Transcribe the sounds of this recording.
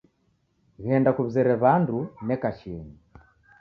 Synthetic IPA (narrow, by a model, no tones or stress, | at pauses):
ɣɛndakuβzɛɾɛβandunɛkaʃini